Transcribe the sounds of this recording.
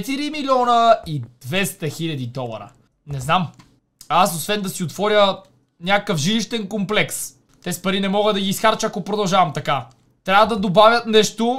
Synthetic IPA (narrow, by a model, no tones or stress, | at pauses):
ɛt̪iɾimilʲiɔnəid̪vɛst̪ɐxilʲɐd̪id̪ɔlˠɐ̰ɾə̰ | nɛznam | asosvɛnd̪ɐsiot̪vɔɾʲjə | nʲakəkəfʒiliʃt̪ɛnkomplɛks | t̪ɛsi̥pɐɾinɛmɔɡəd̪ɐɡʲiːsxaɾt͡ʃəɐkopɾod̪ɐlˠʒavɐmt̪ɐka | t̪ɾʲavɐd̪ɐd̪obavʲjət̪nɛʃt̪o